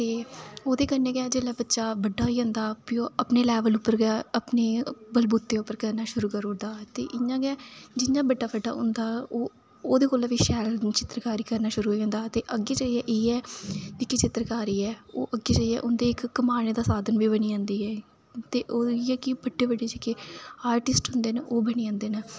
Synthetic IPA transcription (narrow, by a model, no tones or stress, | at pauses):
t̪eːoːd̪eːkəɾnẽːɡɛːd͡ʒeːlɛːbətːʃaːbəɖːaːiːõnd̪aːpɪoːəpneːlɛːʋəlʊpːəɾɡɛːəpneːbəlbuːt̪ːeːʊpːəɾkəɾnaːʃʊɾuːkəɾõd̪aːt̪ḛːʔɪɲãːɡɛːd͡ʒɪɲãːbəɖːaːbəɖːa̰ːʊ̰̃nd̪aːoː | oːd̪eːkoːlːʋiːʃɛːlt͡ʃɪt̪ɾkaːɾiːkəɾnaːʃʊɾuːɦõːnd̪aːt̪eːʔəɡeːd͡ʒaːiɛːʔeːɛːɪkːɪt͡ʃɪt̪ɾkaːɾiːɛːoːʔəɡːeːd͡ʒəːiɛ̰ːʔʊnd̪eːɪkːəmaːneːd̪aːsaːd̪ənʋiːbəñiːãːnd̪iːɛː | t̪eːʔoːiɛːkɪbəɖːeːbəɖeːd͡ʒɪkeːaːɾʈɪsʈɦʊnd̪eːneʔoːbəniːãːnd̪eːna